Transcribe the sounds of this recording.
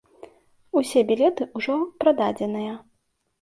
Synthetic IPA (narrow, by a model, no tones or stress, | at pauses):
usʲɛbʲilʲɛt̪ɨʔuʐɔpɾad̪ad͡zʲɛnɨjɐ